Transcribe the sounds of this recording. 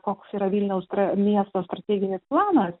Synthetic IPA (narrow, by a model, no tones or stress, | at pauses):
koːksiːɾɐʋʲiːlʲnʲɛʊst̪ɾɐmʲiɛst̪oːst̪ɾɐt̪ʲeːɡʲɪnʲeːsplˠɑːnɐs